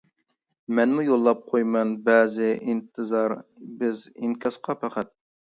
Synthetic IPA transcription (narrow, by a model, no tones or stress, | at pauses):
mɛnmujolˠːɑp̚qʰojmɛnbɛːzɪʔint̪ʰɨzɑɾbɪziŋkʲʰɑsqʰɑpʰæqʰæt̪̚